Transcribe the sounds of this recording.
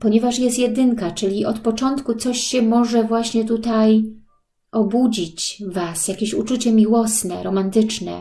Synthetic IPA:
pɔɲɛvaʂjɛst̪jɛd̪ɘŋkat͡ʂɘlʲiʔɔt̪pɔt͡ʂɔnt̪kut̪sɔɕɕɛmɔʐɛvwaɕɲɛt̪ut̪aj | ʔɔbud͡ʑit͡ɕvasjakʲeɕut͡ʂut͡ɕɛmʲiwɔsnɛɾɔmant̪ɘt͡ʂnɛ̰

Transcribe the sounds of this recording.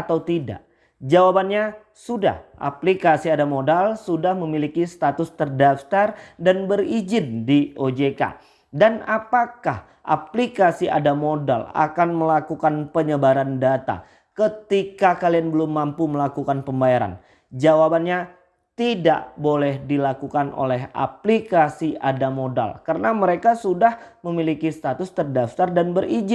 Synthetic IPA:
at̪awt̪ida̰ʔ | d͡ʒawabanɲa | suda̰hʔa̰plikasiadamodalsudahməmilikisət̪at̪ʊst̪ərdaft̪ardanbərid͡ʒɪndiod͡ʒeka̰ | danapaka̰h | ʔa̰plikasiʔa̰damoda̰la̰kanməlakukanpəɲəbaɾandat̪a̰ | kət̪ikakalianbəlʊmːampuməlakukanpəmbajaɾa̰n | d͡ʒawabanɲa | t̪ida̰ʔbolɛhdilakukano̰lɛɦa̰plikasiadamoda̰lkaɾənaməɾekasudahməmilikist̪at̪ʊst̪ərdaft̪ardanbərid͡ʒɪn

